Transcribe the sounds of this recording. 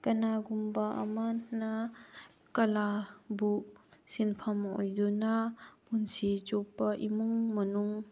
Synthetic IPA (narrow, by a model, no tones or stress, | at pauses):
kɐnaɡumbaʔɐ̰mana | kɐlabusinpʰɐmo̰jdunapunsit͡ʃopːɐʔimuŋmɐnuŋ